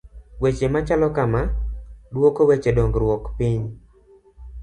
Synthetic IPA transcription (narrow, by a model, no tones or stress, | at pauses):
wet͡ʃemat͡ʃalɔkamadwokowet͡ʃedoŋɡɾwɔkpiɲ